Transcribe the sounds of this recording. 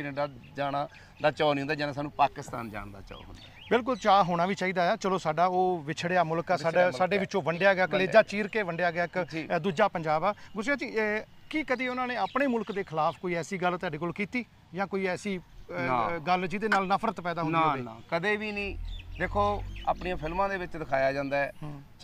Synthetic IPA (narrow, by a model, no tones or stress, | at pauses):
ɾəɖaː | d͡ʒaːnaː | d̪aːt͡ʃaːnĩːʊnd̪aːd͡ʒaːnaːsaːnũːpaːkɪst̪a̰ːnd͡ʒa̰ːɽd̪a̰ːt͡ʃɔ̰o̰ɦʊnd̪a | bɪlk̬ʊlt͡ʃaːɦoːɽ̃aːʋiːt͡ʃaːiːd̪aːaːt͡ʃəloːsaːɖaːoːʋɪt͡ʃʰɽeaːmʊlkaːsaːaaːɖeːʋɪt͡ʃõːʋəɳɖejaːɡɪaːkleːd͡ʒaːt͡ʃiːɾkeːʋəɳɖejaːɡɪaːɪkːd̪uːd͡ʒaːpəɲd͡ʒaːbaːɡʊsejaːt͡ʃiː | kɪkəd̪iːʊnãːnẽːaːpɳeːmʊlkd̪eːkʰɪlaːpʰkoːiːɛːsiːɡəlt̪aːɖeːkoːlkiːt̪iː | jãːkoːiːɛːsiː | ɡəld͡ʒiːd̪eːnaːlnəpʰɾət̪pɛːd̪aːɦʊnːaakəd̪eːʋiːnĩːd̪eːkʰoːa̰ːpɳiãːpʰɪlmãːd̪eːʋɪt͡ʃd̪ɪkʰaːjaːd͡ʒãːnd̪aːɛː